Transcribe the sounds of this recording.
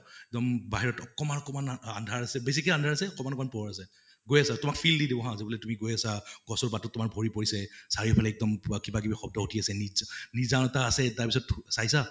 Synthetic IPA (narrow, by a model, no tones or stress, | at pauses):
ɛk̚dɔmbaɦiɹɔtɔkɔmanɔkɔmanandʱaɹasɛbes̬ikɔandʱaɹasɛɔkɔmanɔkɔmanpɔɔɹas̬ɛ | ɡojasatʊmak̚fʰildidibɔɦãzebulɛtumiɡojasaɡɔsɔɹbatɔtːʊmakbʱɔɹipoɹisɛsaɹipʰalɛɛk̚dɔmkibakibixɔb̚dɔutʰiasɛniznizanɔtaːsɛtaɹpisɔtsajsa